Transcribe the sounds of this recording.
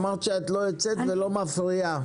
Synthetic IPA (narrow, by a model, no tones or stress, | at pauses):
maʁʃeet̪loet͡set̪velo̞mafʁia